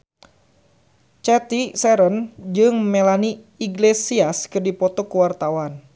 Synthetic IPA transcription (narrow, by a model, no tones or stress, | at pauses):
t͡ʃɛt̪isɛɾənd͡ʒɨŋmɛlani | iɡlesiaskɨrdipɔt̪ɔkuwart̪awan